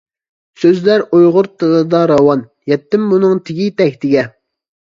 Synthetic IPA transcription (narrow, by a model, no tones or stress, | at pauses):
søzlæɾojʁʊɾt̪ʰələd̪ɑɾɑwɑn | jɛt̪ːɪmːunɨŋt̪ʰɪɡʲit̪ɛkʲt̪ʰɪɡʲɛ